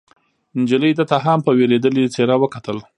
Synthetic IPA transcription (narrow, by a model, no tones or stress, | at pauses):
ɪnd͡ʒələjd̪ət̪aɦampəweɾed̪əlit͡seɾawəkat̪əl